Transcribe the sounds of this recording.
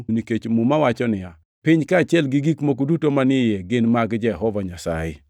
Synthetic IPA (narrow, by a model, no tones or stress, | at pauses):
niket͡ʃmumawat͡ʃɔnɪa | pɪɲkaːt͡ʃɪɛlɡɪɡikmokudutomanɪjɛɡɪnmaɡd͡ʒɛɦɔvaɲasa̰jɪ̰